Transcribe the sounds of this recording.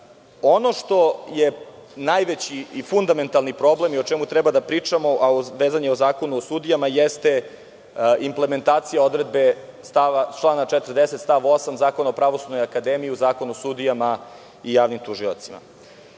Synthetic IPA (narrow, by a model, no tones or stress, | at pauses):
o̞no̞ʂt̪o̞jenajʋet͡ɕiifund̪ame̞nt̪alˠnipɾo̞ble̞miot͡ʂɛmut̪ɾɛbad̪apɾiːt͡ʂamo̞ʔaoʋeːzaɲeozaːko̞nuosud̪ijamajest̪e | imple̞me̞nt̪aːt̪sijao̞d̪ɾe̞d̪be̞st̪aʋat͡ʃlˠaːnat͡ʃet̪rd̪eset̪st̪aʋo̞samzaːkonaopɾaʋosud̪nojakad̪emijiuzaːko̞nuosud̪ijama | ijaːʋnimt̪uʒila̰t̪sima̰